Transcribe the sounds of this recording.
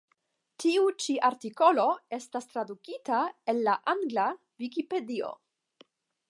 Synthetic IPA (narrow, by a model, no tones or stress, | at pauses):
tiut͡ʃiʔaɾtiko̞lo̞e̞stast̪ɾadukitae̞nːaʔaŋɡla | vikipe̞dio̰